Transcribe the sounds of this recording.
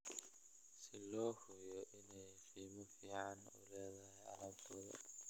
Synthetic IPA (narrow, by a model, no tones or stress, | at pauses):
sɪlɔːhʊjɔʔɪnɛjfiːmɔfiːʕɑnṵlɛːðɐɦɛjɐ̰lɐbt̪ʰɔːðɐ̰